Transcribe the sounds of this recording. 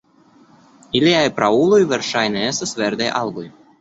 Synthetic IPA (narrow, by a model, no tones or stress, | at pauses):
iliajpɾaulojveɾʃajneest̪asveɾd̪ajʔalɡoj